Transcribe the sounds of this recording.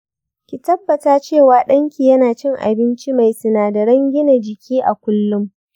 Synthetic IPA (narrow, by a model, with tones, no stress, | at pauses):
kʲi˨tɐ˦bːɐ˨taː˦t͡ʃeː˦˨waː˨ɗɐ˦ŋkʲi˨jɐ˦naː˨t͡ʃɪ˦ŋʔa̰˨bɪ˦nt͡ʃi˦ma˨jsʊ˨naː˨da˨ɽɐ˦ŋɡʲɪ˦na˨d͡ʒɪ˨kʲʰiː˦ʔa˨kʷʊ˦lːʊ˦m